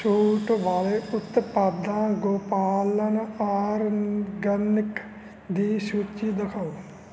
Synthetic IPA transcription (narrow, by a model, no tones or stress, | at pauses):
suːʈʋaːleːʔʊt̪paːd̪ãːɡoːpaːlənaːɾɡənɪk | d̪iːsuːt͡ʃiːd̪əkʰaoː